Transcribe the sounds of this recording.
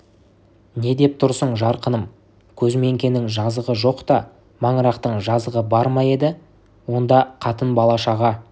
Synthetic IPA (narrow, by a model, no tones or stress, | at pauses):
ne̞d̪e̞p̚t̪ʰʊɾsəɴʒɑɾqənəm | kʲʰɵzme̞ŋkʲe̞nɪŋʒɑzəʁəʒo̞qt̪ɑ | mɑɴəɾɑqt̪əɴʒɑzəʁəbɑɾmɑje̞d̪ɪ | wo̞nd̪ɑqʰɑt̪ənbɑlˠɑʃɑʁɑ